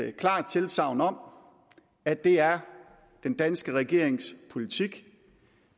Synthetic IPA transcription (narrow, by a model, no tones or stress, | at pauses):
kʰlɑ̰̈ːd̥̚t͡sʰe̝lsɑ̈ʊ̰nɒ̽m̰ | æ̥e̝æɐ | d̥end̥ænsɡ̥əʁɛɡ̥e̝ɐ̰eŋspʰo̝lit͡sʰiɡ̥